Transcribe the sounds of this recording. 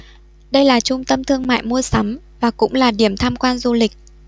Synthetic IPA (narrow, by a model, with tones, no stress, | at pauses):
ɗə˧jlaː˨˩t͡ɕʊ˧ŋ͡mt̪ə˧mt̪ʰɨ˧əŋma̰ː˧˨jmu˧əsa˨˦m | vaː˨˩kʊ̰˧˥ŋ͡mlaː˨˩ɗi˧˩əmt̪ʰaː˧mkwaː˧nzu˧lï˨˩k̚